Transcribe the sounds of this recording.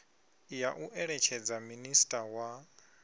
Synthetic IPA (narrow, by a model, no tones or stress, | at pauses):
jaʔuʔɛɺɛt͡ʃʰɛd͡zaministʼawa